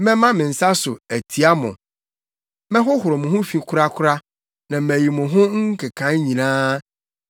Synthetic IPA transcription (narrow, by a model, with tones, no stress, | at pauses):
mɛ̃˦mã˦mɪ̃˨n̩˨sa˦sʊ˨æ˨tʰi˨a˦mʊ̰̃˨ | mɛ̃˦ɦʊ˦hʊ˨ɾɔ˨mʊ̃˨ɦʊ̃˦fĩ˦kʰʊ˦ɾa˦kʰʊ˦ɾa˦ | nã˨mæ˨ji˨mʊ̃˨ɦʊ̃˦ŋ̩˦kʰɛ˨kʰã˨˦ɲĩ˨nãː˦